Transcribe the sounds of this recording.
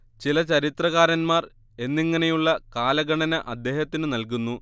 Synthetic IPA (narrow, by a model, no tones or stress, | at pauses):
t͡ɕilɐt͡ɕɐɾit̪rɐɣaːɾɐnmaːr | e̞nːiŋːɐne̞juɭːɐkaːlɐɡɐɳɐnɐʔɐd̪ːe̞ːhɐt̪ːinɨnɐlkunːu